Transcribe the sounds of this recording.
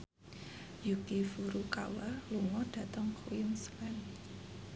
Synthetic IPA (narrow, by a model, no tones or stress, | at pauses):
jukifuɾukawaluŋɔɖ̥ä̤t̪əŋkʰuɪmsmɛn